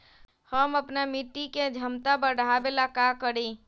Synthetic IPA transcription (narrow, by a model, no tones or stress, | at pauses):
həməpnamiʈ̪iked͡ʒʱəmt̪abəɽʱabelakakəɽi